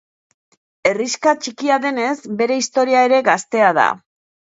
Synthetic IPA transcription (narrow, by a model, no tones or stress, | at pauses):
e̞riskat͡ʃikiaðe̞ne̞zbe̞ɾe̞ist̪o̞ɾiae̞ɾe̞ɣast̪e̞aða̰